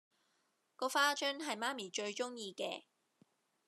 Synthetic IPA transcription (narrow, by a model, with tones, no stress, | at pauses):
kɔː˧faː˥t͡ʃœː˥nɦɐ˨jmaː˥miː˨˩t͡ʃɵ˧ɥt͡ʃʊ˥ŋjiː˧kɛ̰ː˧